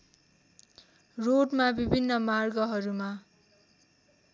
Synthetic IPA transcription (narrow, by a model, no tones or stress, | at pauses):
roɖmabibʱinːʌmarɡʌɦʌɾuma